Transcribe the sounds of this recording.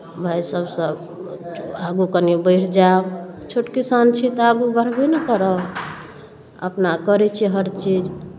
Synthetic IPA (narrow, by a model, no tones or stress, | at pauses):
bʱajsəbsəb | aɡukənibəɪɾd͡ʒabt͡ʃʰoʈkisant͡ʃʰit̪aɡubəɾ̤benekəɾə | ə̰pnakəɾɛt͡ʃʰiɦəɾt͡ʃid͡ʒ